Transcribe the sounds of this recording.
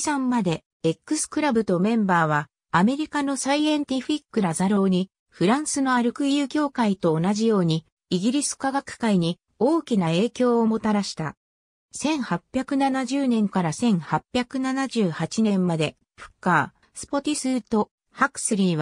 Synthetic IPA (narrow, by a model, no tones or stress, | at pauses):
sãmːad̪e̞ː | kːɯ̟sɨ̥kɯ̟ɾabɯ̟t̪o̞mẽ̞mbaːβ̞aː | me̞ɾʲikano̞saiẽnt̪ʲiɸikːɯ̟ɾazaɾo̞ːɲ̟i | ɸɯ̟ɾãɰ̃sɨno̞aɾɯ̟kɯ̟jɯ̟ːkʲo̞ːkait̪o̞ːnaʑijo̞ːɲ̟iː | ɡʲiɾʲisɨ̥kaɡakɯ̟̥kaiɲ̟i | o̞ːkʲinae̞ːkʲo̞ːomo̞t̪aɾaɕi̥t̪a̰ | sẽ̞ɰ̃hapʲːjakɯ̟nanaʑɨːnẽ̞ŋkaɾasẽ̞ɰ̃hapʲːjakɯ̟nanaʑɨːhat͡ɕinẽ̞mːad̪e̞ | ɸɯ̥kːaː | sɨ̥po̞t̪ʲisɨːt̪o̞ | hakɯ̥sɨɾʲiːβa